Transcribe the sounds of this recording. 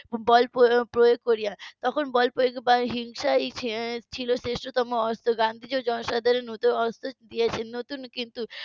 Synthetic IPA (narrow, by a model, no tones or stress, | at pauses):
bɔlpopɾojoɡ̚kːɔɾijat̪ɔkʰonbɔlpɾojoɡbaɦiŋʃait͡ʃʰt͡ʃʰilosesʈɾot̪ɔmoɔst̪oɡãnd̪ʱid͡ʒod͡ʒɔnsad̪ʱaɾenũt̪oɔst̪od̪ijat͡ʃʰenot̪unkint̪u